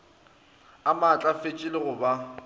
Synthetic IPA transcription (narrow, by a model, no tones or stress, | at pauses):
amat͡ɬʼafet͡ʃʼɪlɪɣʊba